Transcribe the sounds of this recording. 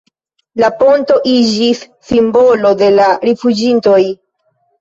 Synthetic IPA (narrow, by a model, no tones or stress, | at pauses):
lapo̞nto̞ʔid͡ʒisːimbo̞lo̞de̞laɾifud͡ʒinto̞j